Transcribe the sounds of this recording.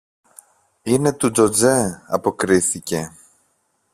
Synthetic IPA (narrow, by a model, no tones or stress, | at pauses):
ine̞t̪ud͡zo̞d͡zeɐpo̞kɾiθice̞